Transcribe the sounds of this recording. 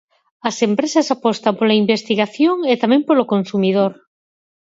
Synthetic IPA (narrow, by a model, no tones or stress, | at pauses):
ɐsempɾesasapɔst̪ampolaimbest̪iɣaθjoŋet̪amẽmpolokonsumið̞oɾ